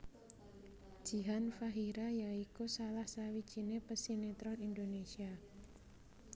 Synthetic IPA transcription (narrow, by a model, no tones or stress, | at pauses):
d̥ʒ̥i̤ɦanfaɦiɾajaikusalahsawid̥ʒ̥i̤nepəsinet̪ɾɔnind̪onesia